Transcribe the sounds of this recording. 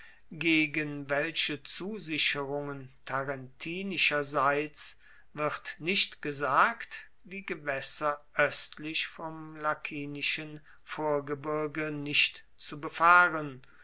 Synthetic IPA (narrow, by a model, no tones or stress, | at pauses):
ɡeːɡənvɛlʃət͡suːzɪʃəʁʊŋəntʰaʁɛntʰiːnɪʃɐzaɪt͡s | vɪʁtnɪʃtɡ̥əzaːkt | d̥iːɡəvɛsɐʔœstʰlɪçfɔmlakʰiːnɪʃən | foːɐɡəbɪɐɡənɪʃt | t͡subəfaːʁən